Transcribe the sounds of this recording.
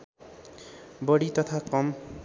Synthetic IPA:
bʌɽit̪ɔt̪ʰakɔm

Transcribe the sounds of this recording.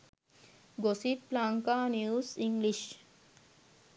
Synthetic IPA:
ɡosit̪plaːŋkaːnjuːsiŋɡliʃ

